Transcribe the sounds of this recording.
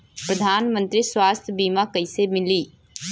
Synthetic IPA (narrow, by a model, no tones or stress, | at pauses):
pɾəd̪ʱaːnmə̃nt̪ɾiswaːst̪ʰjbiːmakɐɪsemɪliː